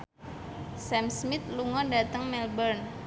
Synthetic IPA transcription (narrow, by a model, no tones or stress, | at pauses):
sɛmsmɪt̪̚luŋɔndat̪əŋmɛlbərn